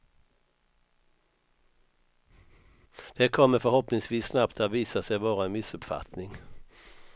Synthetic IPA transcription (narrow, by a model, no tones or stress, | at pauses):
d̪̥ɛkʰɔmːəɾfœɾhɔpnɪŋsviːsːnapt̪ʰat̪viːsasɛjbɑːɾaɛnmɪsɵpfa̰t̪nɪŋ